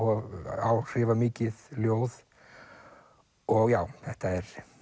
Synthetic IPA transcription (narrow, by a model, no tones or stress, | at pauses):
ɔaːwr̥ɪːvamɪːcɪðljoːwð | ɔɣjaːwθɛht̪aɛɾ̥